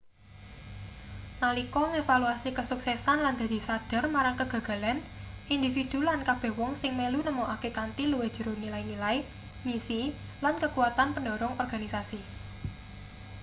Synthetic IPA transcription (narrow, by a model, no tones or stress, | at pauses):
nalikɔŋefaluasikəsuksɛsanland̪a̤d̪̥isad̪̥ə̤rmaɾaŋkəɡ̥ä̤ɡ̥a̤lanʔind̪ifid̪̥ṳlankab̥ɛ̤hwɔŋsɪŋmelunəmoʔakekant̪iluwe̥ʒ̥ə̤ɾonilainilai | misi | lankəkuwat̪anpəndɔ̤ɾɔŋɔrɡ̥a̤nisasi